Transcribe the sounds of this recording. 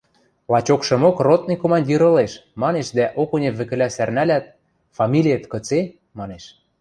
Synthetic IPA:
lɑt͡ɕokʃɤ̆mokrot̪̚nɤkomɑnʲdʲiɾɤ̆leʃmɑneʃd̪æʔokonʲeβɘ̆kɘ̆læsærnælʲæt̪̚ | fɑmʲilʲijet̪kɤ̆t͡se | mɑneʃ

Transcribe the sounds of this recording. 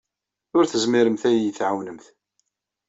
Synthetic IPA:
ʊɾθəzmiɾəmθæjjəθʕawnəmθ

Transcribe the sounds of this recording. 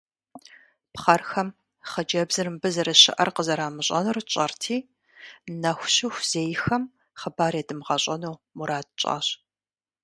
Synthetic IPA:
pχɐrxɐm | χɐd͡ʒɐbzɨrɨmbɨzɐɾɐɕɪ̰ʔɐrqəzɐɾaːmɨɕʼɐnɨrt͡ʃʼɐrtʰiː | nɐxʷɕɪxʷz̥eːjɪxɐm | χəbaːɾeːdɨmʁɐɕʼɐnuːmuɾaːt̚t͡ʃʼa̰ːɕ

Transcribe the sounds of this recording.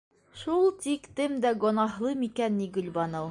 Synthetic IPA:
ʃulˠt̪ikt̪ɘmd̪æɡŏnɑɦlˠɤmikænːiɡɵ̆lʲbɑnɤw

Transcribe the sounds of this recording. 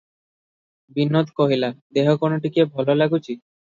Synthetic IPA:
binːot̪koɦilad̪eɦokonoʈikebʱɔlolaɡut͡ɕi

